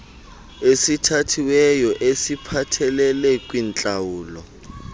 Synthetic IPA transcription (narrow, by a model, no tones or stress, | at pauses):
esitʰatʰiwɛjɔʔesipʰatʰɛlɛlɛkʼwint͡ɬʼawuːlɔ